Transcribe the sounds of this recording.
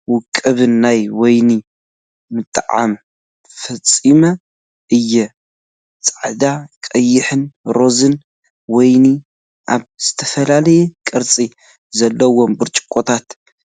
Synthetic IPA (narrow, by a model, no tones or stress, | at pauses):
wʊkʼːɨβɨnːajwɔjni | mɨt̪ʼːɨʕa̰m | fɐt͡sʼːimɐ | ʔɨjːɛ | t͡sʼaʕd̪akʼɐjːɪħɨnɾo̞zɨn | wɔjni | ʔaβz̥ɨt̪ʰɐfɐlalɐjɛkʼɨɾt͡sʼi | zɐlːɐwo̞mbɨɾt͡ʃʼɪ̥kʼːot̪ʰat̪